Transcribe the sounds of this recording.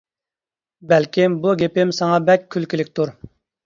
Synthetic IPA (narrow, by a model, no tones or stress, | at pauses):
bɛlkʲʰimbuɡʲepɪmsɑŋɑbɛkʲʰːylkʲilɪkʲt̪ʰuɾ